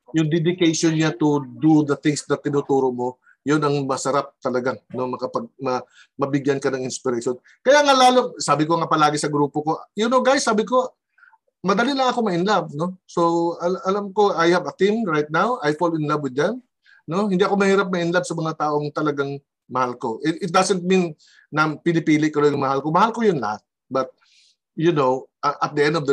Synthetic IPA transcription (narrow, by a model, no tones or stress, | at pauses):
jʊŋd̪ɛd̪ɪkajʃonɲat̪ʊd̪ud̪ɐθɪŋsnɐt̪ːɪnut̪uːɾo̞ʔmo̞ | jonɐŋmɐsɐɾap̚t̪ɐlɐɡano̞mɐkɐpɐɡ̚mɐ | mɐbɪɡjɐnkɐnɐŋɪnspɪɾɐʃon | kɐjaŋalaːlo̞saːbɪkoŋapɐlaːɡɪsɐɡɾuːpo̞ko̞ʔjʊnoɡajsːaːbɪko̞ | mɐd̪ɐlinɐɐko̞mɐʔɪnlɐb̚no̞so̞ɐʔɐlamko̞ajhɐvɐt̪imɹajt̪̚nawajfolɪnlɐbwɪd̪̚ɐn | no̞hɪ̃nd̪iʔɐko̞mɐhiːɾɐp̚mɐʔɪnlɐb̚sɐmɐŋat̪aːʔo̞ŋt̪ɐlɐɡaŋ | mɐhalko̞ʔɛʔɪt̪̚d̪asɛnt̪̚mĩnː | ɐpɪnɪpiːlɪkːɐlojʊŋmɐhalko̞mɐhalko̞jʊnlɐ̰hat̪̚ | bɐt̪̚ | jʊnowʔɐʔɐt̪̚d̪əʔɛ̃nd̪ovd̪ɐ